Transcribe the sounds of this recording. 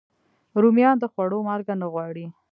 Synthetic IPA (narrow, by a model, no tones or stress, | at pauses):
ɾumjɑnd̪əxwaɽomɑɾɡanaɣwɑɽi